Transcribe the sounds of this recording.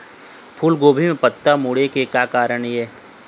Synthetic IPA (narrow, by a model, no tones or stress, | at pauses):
pʰuːlɡoːbʱimẽpət̪ːamʊɽekekaːkaːɾəɳiɛː